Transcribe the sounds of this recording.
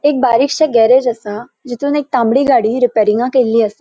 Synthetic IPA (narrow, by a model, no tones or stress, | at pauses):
ek̚baːɾɪkʃəɡɛːɾed͡ʒɐsãd͡ʒɪt̪unek̚t̪ãːmbɽiːɡaːɽiɾɪpɛːɾɪ̃ŋɡãːkeːliɐsa